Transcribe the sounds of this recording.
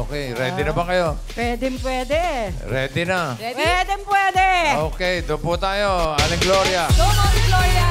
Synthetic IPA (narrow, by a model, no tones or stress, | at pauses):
okɛjɾɛd̪ɪnɐbɐkɐjopwɛd̪ɛmpwɛːd̪ɛ | ɾɛːd̪ɪnawɛd̪ɛmpwɛːd̪ɛoːkɛjd̪oput̪aːjoalɪɡloɾjad̪omanɪɡloɾja